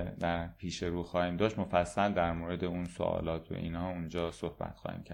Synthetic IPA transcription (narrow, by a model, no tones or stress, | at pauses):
d̪æɾpʰiːʃe̞ɾuːxɒːhiːmd̪ɒːʃt̪mofæsːæld̪æɾmoːɾe̞d̪eunso̰ʔɒ̰ːlɒːt̪ʰo̰ʔḭːnhɒːund͡ʒɒːsohbæ̰t̪xɒ̰ːhḭːmcʰæɾ